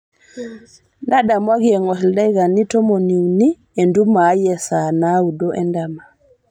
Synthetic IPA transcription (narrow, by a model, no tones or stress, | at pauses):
naɗamwaɡiɛŋɔsɛldajɡanitɔmoniwni | ɛndumajɛsanaudɔʔɛndama